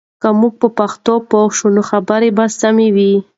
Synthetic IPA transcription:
kamuɡ̚pəpaxt̪opoxʃunoxabəɾebasamewi

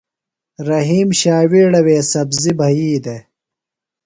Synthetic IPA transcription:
ɾɐɦiːmɕaːwiɽɐweːsɐbzibʱɐjiːd̪e

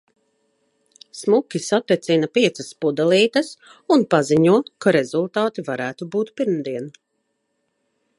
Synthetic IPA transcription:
smukʲisat̪ːɛt̪sinɐpiɛt̪sɐspud̪alˠiːt̪ɐs | unpaziɲuɔkaɾezulˠt̪ɑːt̪ivaɾæːt̪ubuːt̪piɾmd̪iɛn

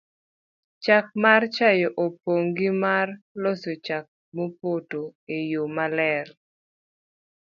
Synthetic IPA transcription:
t͡ʃak̚mart͡ʃajɔʔopoŋɡimarlosot͡ʃak̚ | mopotoejomalɛr

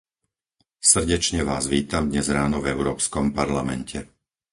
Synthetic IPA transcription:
sr̩ɟɛt͡ʃɲɛʋa̰ːzʋiːt̪amd̪ɲɛzɾaːnɔvɛʊɾɔːpskɔmpaɾlamɛ̰ncʰɛ

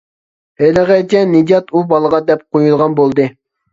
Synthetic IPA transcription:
heləʁɛt̪ʲɛnːed̪jɑt̪ubɑlˠəʁɑd̪ɛp̚qʰojulˠʁɑnbolˠd̪ɨ

